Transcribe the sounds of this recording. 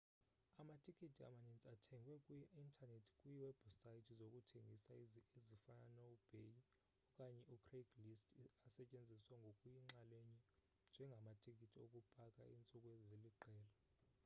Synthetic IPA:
amatʰʼikʰʼitʰia̰manent͡sʼatʰɛŋɡwɛkʼujiintʰʼanetʰi̥kʼujiwɛbsajitʰizokʼutʰeŋɡʱisaizifananoub̥ʱeji | ɔkʼaɲɛʔukʰreɡlistʰʼasɛt͡ʃʼend͡zʱiswaŋɡʱokʼujiŋ͡ǁaleɲi | nd͡ʒʱɛŋɡʱamatʰʼikʰʼitʰiokʼupʼakʼaint͡sʼukʼezeliǃɛːla

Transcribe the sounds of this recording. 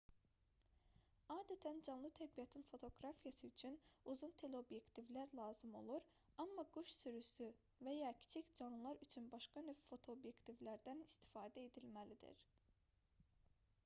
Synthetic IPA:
ɑːd̪æt̪ʰænd͡ʒɑnlˠɯt̪ʰæɾbijɑt̪ʰinfo̞t̪ʰo̞ɡɾafijɑsɯyt͡ʃʰynuzunt̪ʰe̞leo̞bje̞kt̪ʰivlæɾlˠɑːzɯmo̞̰lˠuɾ | ɑmːɑɡuʃsyɾysy | vejɑːcʰi̥t͡ʃʰicd͡ʒɑnlˠɯlˠɑɾyt͡ʃʰynbɑʃkɑnøffo̞t̪ʰo̞ːbje̞kt̪ʰivlæɾd̪ænist̪ʰi̥fɑːd̪æed̪ilʲmælid̪ḭɾ̥

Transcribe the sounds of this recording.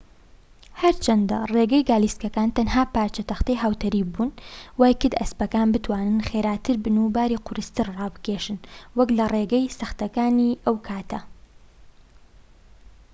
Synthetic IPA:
hɐɾt͡ʃʰɐnd̪ɐ̰reːɡɛjɡaːliskɐkaːnt̪ɐnɦaːpaːɾt͡ʃɐt̪ɐxt̪ɐjɦaːwt̪ɐɾiːbuːnwaːjkɨd̪ɐ̰spɐkaːnbɨt̪waːnɨnxeːɾaːt̪ʰɨɾbɨnubaːɾiqʰʊɾɨst̪ɨɾrɑːbɨ̥keːʃɨnwɐklɐreɡɐjsɐxt̪ɐkaːniʔɐwkʰaːt̪ɐ

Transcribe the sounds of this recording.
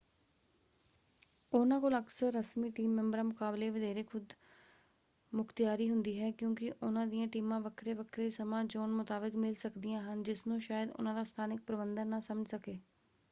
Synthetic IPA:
ʊnãːkoːləɡsəɾːəsmiːʈiːmːɛ̃mbəɾãːmʊkaːbleːʋɪd̪eːɾeːkʰʊd̪ | mʊkʰt̪ɪjaːɾiːɦʊnd̪iːɦɛːkjõːkɪʔʊnãːd̪ijãːʈiːmãːʋəkʰɾeːʋəkʰɾeːsəmãːd͡ʒoːnmʊt̪aːbɪkmɪlsəkd̪ijãːɦənd͡ʒɪsnũːʃaːjəd̪ʊ̰nãːd̪aːst̪ʰaːnɪk̚pɾəbənd̪ənːãːsəməd͡ʒsəkeː

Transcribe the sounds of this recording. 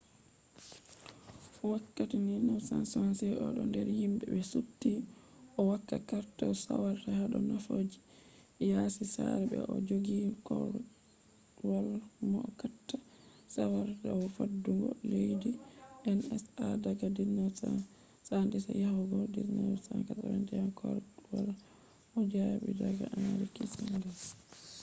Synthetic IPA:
wakːatininawsa̰nsansɛʔɔɗɔndɛɾhimbɛbɛsutːiʔɔwakːakaɾtɔsa̰waɾtahaɗɔnafoːd͡ʒi | jasisaɾɛbɛ̰ʔɔd͡ʒoɡikɔ | walmɔkatːa | sawaɾdawfadːuɡɔlejdiʔɛnɛsadaɡadinasa | sandɛsajahuɡɔdiɾnawsaŋkataɾɛndɛjamkʰɔɾɗuwal | ɔd͡ʒajabɛdaɡa̰ʔanaɾikisandɛs

